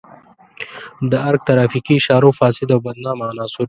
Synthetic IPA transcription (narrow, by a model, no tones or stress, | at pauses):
d̪əɐɾɡ̚t̪ɐɾaːfikiʃaːɾuːfaːsɪd̪awbɐd̪naːmaːnaːsuɾ